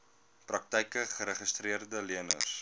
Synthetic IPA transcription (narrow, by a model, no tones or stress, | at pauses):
prɐk̚tɛjkəχəɾəχəstriərdəliənə̰s